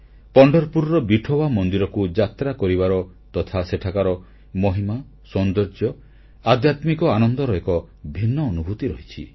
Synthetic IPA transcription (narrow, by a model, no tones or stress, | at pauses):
pɔɳɖɔɾpuɾɾɔbiʈʰobamɔnd̪iɾɔkud͡ʒat̪ɾakɔɾiβaɾɔ | t̪ɔt̪ʰaseʈʰakaɾɔ | mɔɦima | sɔnd̪ɔɾd͡ʒɔ | ad̪jat̪mikɔanɔnd̪ɔɾɔekɔ | bʱinːɔːnubʱut̪iɾɔɦit͡ʃʰi